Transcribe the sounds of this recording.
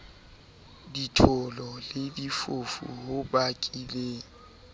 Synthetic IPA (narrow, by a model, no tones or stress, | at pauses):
ditʰʊlɔledifofṵɦʊbakʼile